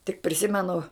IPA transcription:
tʲɪk pʲrʲɪˈsʲɪmʲɛnʊ

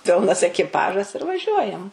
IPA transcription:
ˈpʲɪlˠnɐs ɛkʲɪˈpɑːʒɐs ɪr ʋɐˈʒʲuɔjɛm

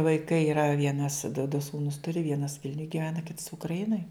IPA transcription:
ʋɐɪˈkɐɪ ɪˈrɐ ˈʋʲiɛnɐs dʊ dʊ ˈsuːnʊs ˈtʊrʲɪ ˈʋʲiɛnɐs ˈʋʲɪlʲnʲʊj ɡʲɪˈʋʲæːnɐ kʲɪts ʊkrɐˈɪnoːj

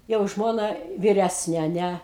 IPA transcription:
jɛʊ ˈʒmoːnɐ ʋʲɪˈrʲæsʲnʲeː ɐ ˈnʲɛ

